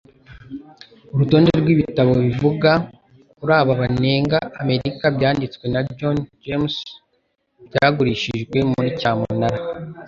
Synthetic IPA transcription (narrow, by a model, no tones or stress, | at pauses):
oɾuto̞ːndeɾɡwiːβitaβo̞βivuɡa | kuɾaːβaβane̞ːŋɡaːme̞ɾikabjaːndit͡swe̞nad͡ʒond͡ʒems | bɟaɡuɾiʃiʒɡwe̞muɾicaːmṵnaɾa